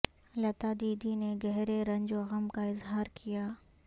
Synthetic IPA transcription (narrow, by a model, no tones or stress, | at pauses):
lɐt̪aːd̪iːd̪ineɡɛɦɾeɾɐ̃ɲd͡ʒoɐɣəmkaɪzɦaːɾkʰijaː